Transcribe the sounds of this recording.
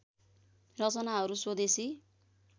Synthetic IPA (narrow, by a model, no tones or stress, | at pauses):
rʌt͡sʌnaɦʌɾuswod̪esi